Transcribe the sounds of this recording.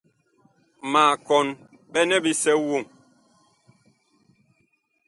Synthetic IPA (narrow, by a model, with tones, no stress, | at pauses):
maː˨kɔ˨n | ɓɛ˦nɛ˦bi˦sɛ˦wo˦˨ŋ